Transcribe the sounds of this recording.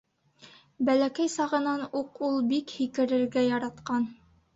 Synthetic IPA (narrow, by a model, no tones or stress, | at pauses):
bælækæjsɑʁɤ̆nɑnuqulˠbikhikɘ̆ɾɘ̆ɾɡæjɑɾɑt̪qɑn